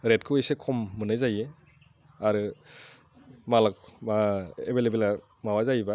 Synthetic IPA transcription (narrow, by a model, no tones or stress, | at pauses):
ɾet̚kʰɯejsekʰɔmːɯnajzaje | aɾɯ | malak̚ | ebʱelebela | mawazajba